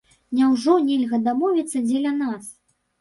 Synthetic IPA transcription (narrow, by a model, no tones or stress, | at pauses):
nʲɛwʐɔnʲɛlʲɣɐd̪amɔvʲit̪sːɐd͡zʲɛlʲɐnas